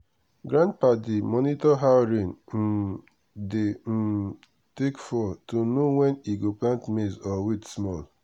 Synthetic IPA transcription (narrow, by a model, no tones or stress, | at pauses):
ɡɾãnd̚padimɔnitɔɦaɾin̩ | dem̩ | tekfɔtonowɛniɡoplãntmezɔwitsmɔl